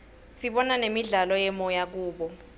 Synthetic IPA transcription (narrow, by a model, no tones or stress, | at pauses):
siɓɔnanemiɮalɔjɛmɔjak̬uːɓɔ